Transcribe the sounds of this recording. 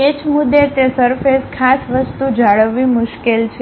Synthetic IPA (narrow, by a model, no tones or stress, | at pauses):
et͡ʃmud̪ːet̪esəɾfeskʰasʋəst̪ud͡ʒaɭəʋːimʊʃkelt͡ʃʰe